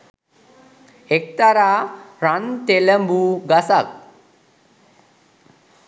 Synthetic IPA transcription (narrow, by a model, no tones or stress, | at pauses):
ek̚t̪aɾaːɾant̪eləmbuɡasak̚